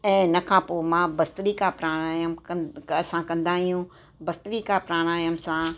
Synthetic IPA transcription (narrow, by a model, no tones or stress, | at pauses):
ɛ̃ːnɐkʰãːpoːmãːbɐst̪ɾiːkapɾaːɽ̃aːjəmkɐsãkɐ̃nd̪aːɦijũ | bɐst̪ɾikapɾaːɽ̃aːjəmsã